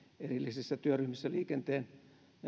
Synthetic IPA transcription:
erilːisisːæt̪yøryhmisːæliːkent̪eːn

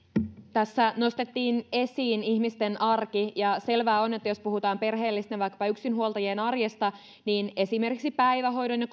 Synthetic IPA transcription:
t̪æsːæno̞st̪et̪ːiːne̞siːniçmist̪e̞nʔɑrkijɑse̞lʋæːone̞t̪ːæjo̞spuhut̪ɑːmpe̞rɦe̞ːlːist̪eʋɑjkːɑ̥pɑyksinɦuolˠt̪ɑjeːnɑrjest̪ɑ | niːne̞sime̞rkiksipæjʋæɦo̞jdonjɑk

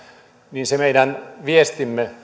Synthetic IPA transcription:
ninsemeidænʋiest̪imːe

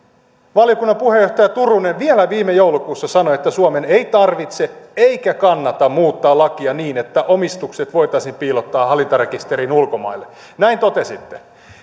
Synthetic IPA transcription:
ʋɑljo̞kunːɑmpuhejo̞ht̪ɑjɑt̪urunenʋielæʋiːmejowlukuːsːɑsɑnoe̞t̪ːæsuome̞nejt̪ɑrʋit̪see̞jkækɑnːɑt̪ɑmmuːt̪ːɑːlɑkiɑniːnet̪ːæʔo̞mist̪ukse̞t̪ʋo̞jt̪ɑisimpiːlot̪ːɑːɦɑlint̪ɑrekist̪e̞ɾinulko̞mɑ̰jlːe | næint̪o̞t̪e̞sit̪ːe

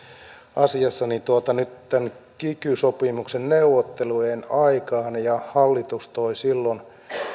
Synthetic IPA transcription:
ʔɑsiɑsːɑnit̪uot̪ɑnyt̪t̪ænkikysopimuksenneuwot̪ːelujenɑikɑːnjɑhɑlːit̪ust̪oisilːon

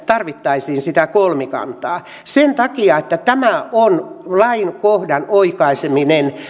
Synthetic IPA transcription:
t̪ɑrʋit̪ːɑisiːnsit̪ækolmikɑ̰nt̪ˑɑː | sent̪ɑkiɑet̪ːæt̪æmæʔonlɑinkohdɑnoikɑiseminen

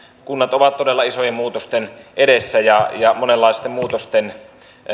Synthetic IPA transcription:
kunːɑt̪oʋɑt̪todelːɑisojemmuːt̪ost̪enʔedesːæjɑjɑmonelːɑˑest̪emmuːt̪ost̪en

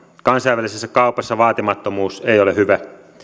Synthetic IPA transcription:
kɑnsɑiʋælisesːækɑˑupɑsːɑʋɑːt̪imɑt̪ːomuːseˑijolehyʋæ

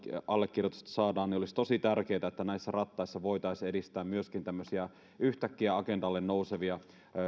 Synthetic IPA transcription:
ɑlːekːirjot̪u̥st̪ɑ̥sɑːdɑːnniolist̪o̞sit̪ærkeːt̪æet̪ːænæisːærɑt̪ːɑisːɑʋo̞it̪ɑisedist̪æːmmyøskint̪æmːøsiæ | yht̪ækːiæɑkendɑlːennouseʋiɑ

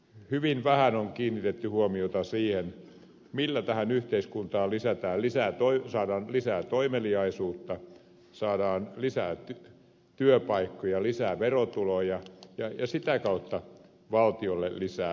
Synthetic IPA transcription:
hyʋinʋæhænoŋkiːnːit̪et̪ːyhuomiot̪ɑsiːhen | milːæt̪æhænyht̪eiskunt̪ɑːlisæt̪æːllisæːt̪oisɑːdɑːnlisæːt̪oimeliɑisuːt̪ːɑ | sɑːdɑːnlisæːt̪y | t̪yøpɑikːojɑlisæːʋerot̪ulojɑjɑjɑsit̪ækɑut̪ːɑ | ʋɑlt̪iolːḛllisæː

